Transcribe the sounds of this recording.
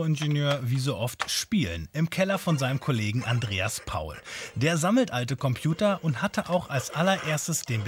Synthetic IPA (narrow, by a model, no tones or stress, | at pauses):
oɪnʒenjøːɐviːzoːʔɔftʃpiːlənɪmkʰɛlɐfɔnzaɪnəmkʰoleːɡŋ̩ʔandʁeːaspʰa̰ʊld̥eːɐzaml̩tʔaltəkʰɔmpʰjuːtɐʔʊnthatʰəʔaʊxalsʔalɐɐʔeːɐstəsd̥eːnbə